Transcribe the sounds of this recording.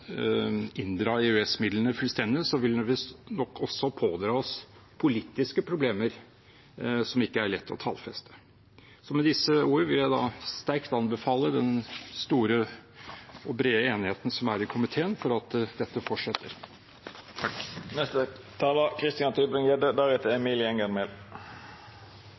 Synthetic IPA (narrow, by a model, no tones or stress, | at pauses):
ɪnd̪ɾɑːɛʉɛsmɪd̪lənəfʉlst̪ɛnd̪ɪsɔʋɪlʋɪnɔkːɔsːɔpʰoːd̪ɾɑːɔs | pʰʊliːt̪ːɪskəpʰɾʊbleːməɾ | sɔmɪkːəæɭɛt̪ʰːɔ̰t̪ʰɑ̰ːlfɛst̪ʰə̥ | sɔmɛd̪ɪsəuːɾəʋɪljæɪd̪ɑst̪æɾkt̪ɑnbəfɑːləd̪ɛnst̪uːɾə | ɔbɾeːəeːnɪheːt̪nsɔmæɾɪkʰʊmɪt̪ʰeːənfɔɾɑt̪d̪ɛt̪ːəfɔʈʂɛt̪ːə̰ɾ | t̪ʰɑknɛst̪ə | t̪ʰɑːləkʰʁɪst̪ɪɑnt̪ʰyb̪ənjɛd̪əd̪æʁɛt̪əɛmiːlɪɛŋənmɛl